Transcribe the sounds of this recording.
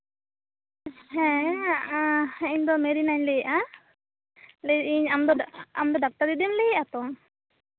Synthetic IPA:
ɦɛ̃aʔaiɲd̪ɔmɛɾinaɲlɛjʔa | lɛiɲamd̪ɔa̰md̪ɔɖak̚t̪aɾd̪id̪imlɛjat̪ɔŋ

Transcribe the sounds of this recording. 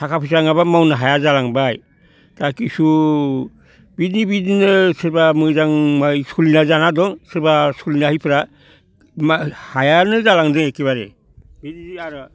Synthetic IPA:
tʰakapʰisaŋaβamawnaɦajazalaŋbaj | d̥akisu | bidnibidninɯsɯɾbamɯzaŋmajskulinazanadɔŋsɯɾbaskulinahipʰɾa | mahajanɯzalaŋdɯŋekiβaɾḛ | bidniiaɾɯ

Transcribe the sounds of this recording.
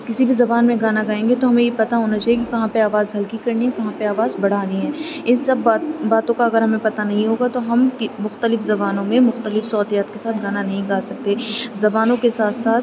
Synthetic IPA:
kɪsibʱizɐbaːnmẽɡaːnaɡaːẽːŋɡet̪oɦɐmẽjepɐt̪aɦoːnat͡ʃaːjekikɐɦãpeaːʋaːzɦɐlkikɐɾniɦɛkɐɦãpeaːʋaːzbɐɽ̤aːniɦɛːɪnsɐbat̪baːt̪õkaɐɡəɾɦɐmẽpɐt̪anɐɦĩɦoːɡat̪oɦɐmkmʊxt̪əlɪfzɐbaːnõmẽmʊxt̪əlɪfsɔːt̪ijaːt̪kesaːt̪̚ɡaːnanɐɦĩɡaːsɐk̚t̪eːzɐbaːnõkesaːt̪ʰsaːt̪

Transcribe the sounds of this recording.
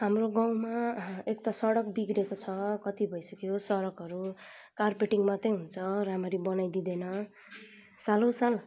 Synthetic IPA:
ɦamroɡaw̃maek̚t̪asʌɽʌk̚biɡɾekot͡sʰʌkʌt̪ibʱʌjsʌkeosʌɽʌkɦʌɾu | karpeʈiŋmat̪ʌjɦunt͡sʰʌɾamʌɾibʌnajd̪id̪enʌ | salosal

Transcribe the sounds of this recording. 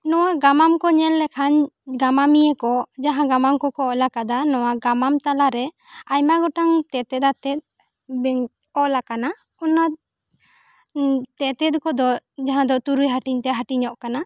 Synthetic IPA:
nɔwaɡamamkɔɲɛllɛkʰaɲɡamamijɛkɔd͡ʒaɦãɡamamkɔkɔːʔlakad̪anɔwaɡamamt̪alaɾɛ | ajmaɡɔʈaŋt̪ɛt̪ɛt̪at̪ɛt̪̚ | bɛ | ɔʔlakana | ɔnat̪̚ | t̪ɛt̪ɛt̪̚kɔd̪ɔd͡ʒaɦãd̪ɔʔt̪uɾujɦaʈiɲt̪ɛɦaʈiɲɔʔkana

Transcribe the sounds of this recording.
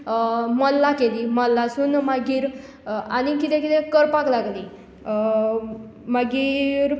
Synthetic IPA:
məlːakeliːməlːasuːnmaɡiːɾ | añikit̪ẽkit̪ẽkəɾpaklaɡliː | maɡiːɾ

